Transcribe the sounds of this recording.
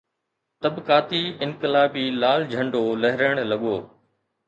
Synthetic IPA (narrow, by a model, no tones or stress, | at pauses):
t̪ɐbkaːt̪iːɪnkɪlaːbiːlaːld͡ʒʱə̃ɳɖoːlɐɦɾəɽ̃lɐɠoː